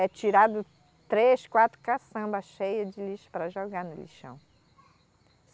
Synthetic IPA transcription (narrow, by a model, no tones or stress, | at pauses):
ɛt͡ʃiɾad̪ʊ | t̪ɾeskwat̪ɾʊkasɐ̃mbɐʃejɐd͡ʒɪliʃʊ̥pɾɐʒoɡaɾnʊlḭʃɐ̰̃w̃